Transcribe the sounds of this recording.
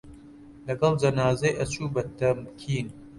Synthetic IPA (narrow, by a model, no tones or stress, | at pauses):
lɐɡɐlˠd͡ʒɐnaːzɐjʔɐt͡ʃuːbɐt̪ʰɐmkʰiːn